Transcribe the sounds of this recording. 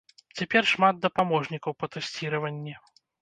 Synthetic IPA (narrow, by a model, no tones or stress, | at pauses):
t͡sʲapʲɛrʂmad̪̚d̪ɐpamɔʐnʲikɐwpɐt̪ɛsʲt͡sʲiɾɐvɐnʲːɛ